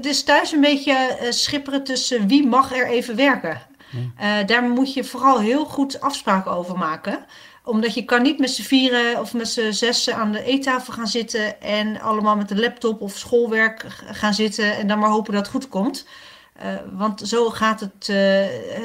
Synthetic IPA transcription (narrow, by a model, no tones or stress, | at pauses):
tɪstœɥsənbejcəsχɪpərətɵsəʋimɑχɛɹejvəʋɛɹkə | daːɹmutjəv̥oːrɑlˠɦɪːlˠχutɑfspraːkəowvəɹmaːkə | ʔɔmdɑtjəkɑnːitmɛtsəviːrəɔfmɛtsəzɛsəaːndəʔejtaːfəlˠχaːnzɪtənʔɛnɑ̰ləmaːlˠmɛtənlɛp̚tɔpɔfsχolˠʋɛɹkχaːnzɪtənɛndɔnmaːɹɦowpədɑtχutkɔmt | ʋɑntsowχaːtət